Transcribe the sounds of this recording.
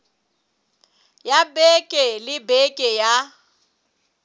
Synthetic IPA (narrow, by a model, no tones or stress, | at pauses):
jabɛkʼɛlɪbɛkʼɛja